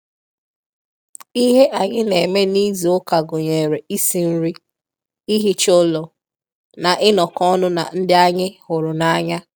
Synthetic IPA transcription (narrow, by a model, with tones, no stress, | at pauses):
i˦ɦe˦ʔa˨ɲɪ˦ne˨me˦ni˦zi˨ʊ˦ka˨ɡʊ˨ɲe˨ɾe˨i˦si˨n̩˦ɾi˦ | i˦ɦi˦t͡ʃʊ˦lɔ˨ | na˨ʔɪ˦nɔ˨kɔ˦nʊ˦na̰˨n̩˦dɪ˦a˦ɲɪ˦hʊ˨ɾʊ˨na˦a˦ɲa˦